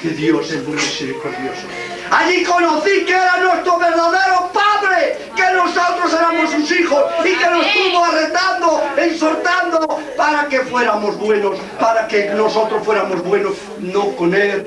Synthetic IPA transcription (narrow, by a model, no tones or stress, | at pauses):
keðjosesuŋɡɾasepɾeθjoso | aʎikonoθiɲeɾanwest̪ɾoβeɾðaðeɾopaβɾe | kenosot̪ɾoseɾamosunsixosikenost̪uβoaret̪and̪oensoɾt̪and̪o | paɾakefweɾamozβwenos | paɾakenosot̪ɾosfweɾamozβwenos | nokonel